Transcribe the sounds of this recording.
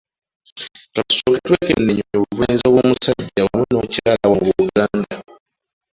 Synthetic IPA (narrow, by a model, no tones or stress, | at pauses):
kau̥soːketwekḛnːeɲoɲoβuvanzoβomusaɟːawamunocaːlawomβuuɡaːnda